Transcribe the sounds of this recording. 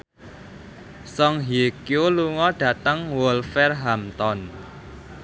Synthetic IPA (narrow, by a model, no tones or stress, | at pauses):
sɔŋɦikjoluŋɔɖ̥ä̤t̪əŋwɔlfɛrɦamt̪ɔn